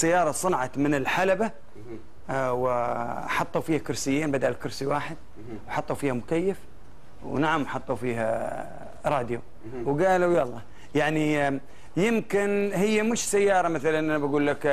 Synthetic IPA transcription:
sajːɑːɾˤɑsˤɨnʕɑt̪mɪnɪlħalaba | wħɑt̪ˤːuwfiːhakʊɾsɪjːeːnbad̪aʔlkʊɾsiwaːħɪd̪̚ | wħɑt̪ˤːuwfiːhamʊkajːaf | wnaʕamʔaħɑt̪ˤːufiːha | ɾˤɑːd̪ju | wɡaːlujalˤːɑː | jaʕni | jɪmkɪnhɪjːamʊʃsajːɑːɾˤɑmaθalanʔanabaɡuːlːak

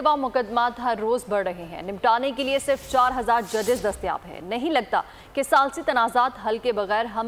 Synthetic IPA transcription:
ʋaːmʊkəd̪maːt̪ɦɐɾːoːzbɐɽɾɐɦeɦɛ̰̃ːnɪmʈaːnekeliesɪɾft͡ʃaːɾɦɐzaːɾd͡ʒɐd̪ɪzd̪ɐst̪ja̰ːbɦɛ̰̃nɐɦĩlɐɡ̚t̪a̰ | kesaːlsit̪ɐnaːzaːt̪ɦɐlkebɐɣɛːɾɦɐm

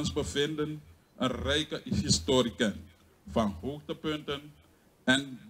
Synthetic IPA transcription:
ɔnsbəvɪndən | ʔənrɛjkəɦistoːɾikən | fɑnɦoːxtəpʏntən | ɛn

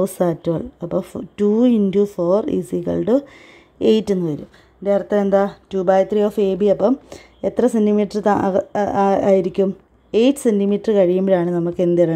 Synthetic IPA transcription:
osaːtːoɭɐpːotuindufoːrḭsiɣɐ̰lɖɨ | ejtːe̞nːɨʋɐɾṵm | d̪e̞ːrɐt̪ːeend̪atuːbaːjt̪rioːfeːbiɐpːɐm | e̞t̪rɐsendimiːʈːɐrt̪a | aːjiɾikʲːum | e̞jtːɨ̥sendimiːʈːɐrɨkɐɻijumbɐɽaːɳɨnɐmːukːe̞nd̪ɐɽɐ

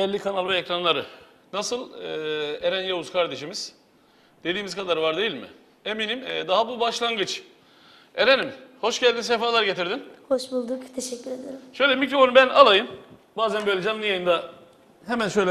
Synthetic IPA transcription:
bɛlʲːikʰanalˠvɛecɾanlˠaɾɯ | nasɯlˠɯːeɾænjauzkʰaɾd̪e̞ʃimiz̥ | d̪̥e̞d̪iːmizkʰad̪aɾvaɾd̪ejilʲmɪ̰ | e̞minimɛd̪aɦabubaʃlˠaŋɡɯt͡ʃ | eɾenimho̞ʃɟælʲd̪ins̬efaːlˠaɾɟe̞t̪ʰiɾd̪inho̞ʃbulˠd̪ukt̪ʰeʃɛcʲːyɾe̞d̪ijoɾʃø̞jlʲɛmicɾo̞fo̞nubænalˠajɯm | baːzænbø̞jlʲɛd͡ʒanːˠɯjajɯnd̪a | hemænʃøjlʲɛ

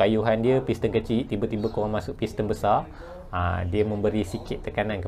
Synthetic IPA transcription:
ajuɦandiəpist̪ənkət͡ʃiht̪ibət̪ibəkoɾaŋmasʊʔ̚pist̪ənbəsar | ə̰diəmə̃mbəɾisikɪt̪ːəkanãnkə

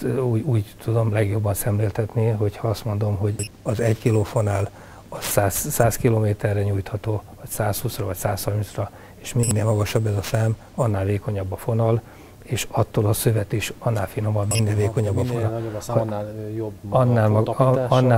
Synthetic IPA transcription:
uːuːɟt̪ud̪o̞mlɛɡjo̞bːɒnsɛmleːlt̪ɛt̪niɦo̞chɒɒst̪mo̞nd̪o̞mɦo̞ɟɒzɛɟkiloːfonaːl | ɒsaːsːaːskiloːmeːt̪ɛrːɛɲuːjt̪hɒt̪oːvɒcsaːshuːsrɒvɒcsaːshɒrminsrɒ | eːʃminːeːlmɒɡɒʃɒbːɛzɒfaːm | ɒnːaːlveːko̞ɲɒbːɒfonɒl | eːʃɒt̪ːoːlɒsøvɛt̪iʃɒnːaːlfino̞mɒd̪minːeːlveːko̞ɲɒbbːɒfo | joɒnːaːlɒnːa

